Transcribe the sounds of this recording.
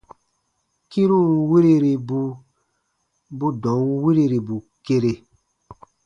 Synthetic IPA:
ki˦ɾu˦wu˨wi˦ɾi˦ɾi˨bu˦ | bu˦dɔ̃˨wu˦wi˦ɾi˦ɾi˨bu˨ | ke˦ɾe˨

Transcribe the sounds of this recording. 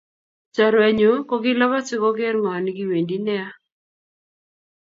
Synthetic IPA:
t͡ʃa˨ɾɛ˨ɲo˨˦kɔ˦ɡɪ˦la˦βa˦t͡ʃɪ˦kɔ˦ɡɛ˦ɾŋa˨nɡɪ˦we˨ndi˦nɛ˦a˦

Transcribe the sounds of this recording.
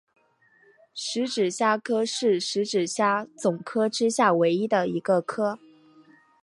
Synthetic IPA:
ʂɻ̩˧˥ʈ͡ʂɻ̩˨˩ɕja˥kʰɤ˥ʂɻ̩˥˩ʂɻ̩˧˥ʈ͡ʂɻ̩˨˩ɕja˥˩t͡sʊ˨˩ŋkʰɤ˥ʈ͡ʂɻ̩˥ɕja˥˩we˧˥ɪi˥d̪ə˨i˧˥ɡə˧kʰɤ˥

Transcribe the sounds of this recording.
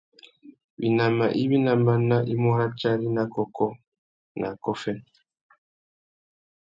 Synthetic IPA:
bḭ˨na˨ma˨ʔi˦βi˦na˨ma˦na˦ʔi˦mɔ˦ɾa˦t͡ʃa˦ɾi˦na˦kɔ˨kɔ˦ | nʔa˨kɔ˦fɛ˦n

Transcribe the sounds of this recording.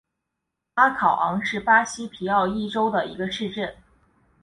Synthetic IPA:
a˥kʰɑ˨˩ʊʔɑ˧˥ŋʂɻ̩˥˩pa˥ɕi˥pʰi˧˥ɑ˥˧ʊi˥˩ʈ͡ʂo˥ʊd̪ə˨˩i˧˥ɡə˧ʂɻ̩˥˧ʈ͡ʂə˥˩n

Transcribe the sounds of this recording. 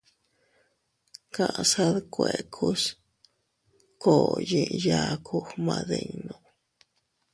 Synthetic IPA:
ka˧ʔsa˦d̪kʷe˨kʰu˦s | ko˨ji˧ja˧kʰu˦xma˧d̪e˧ɲnu˧

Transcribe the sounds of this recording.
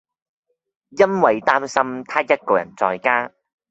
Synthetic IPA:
jɐ˥nwɐ˨jt̪aː˥msɐ˥mt̪ʰaː˥jɐ˥t̚kɔː˧jɐ̰˨˩nt͡sɔː˧jkaː˥

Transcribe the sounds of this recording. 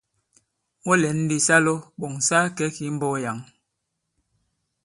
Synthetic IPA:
ɔ˦lɛ˨˦n̩˦di˦sa˦lo˦ɓɔ˨ŋ˨sa˦kɛ˨˦ki˨˦m̩˦bɔ˦ja˨ŋ

